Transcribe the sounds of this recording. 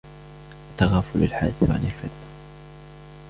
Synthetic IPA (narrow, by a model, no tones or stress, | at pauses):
ʔt̪ːaɣaːfʊla̰lħa̰d̪θɾʕa̰nalfɪt̪ːa